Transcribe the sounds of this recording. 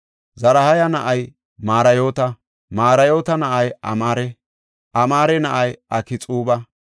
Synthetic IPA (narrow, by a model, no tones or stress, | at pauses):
zɐɾɐhɐjɐnɐʔɐj | maːɾɐjoːt̪ɐ | maːɾɐjo̞ːt̪ɐnɐʔɐjʔɐ̰maːɾɛ | ʔɐmaːɾɛnɐʔɐjʔɐkɪt͡sʼuːbɐ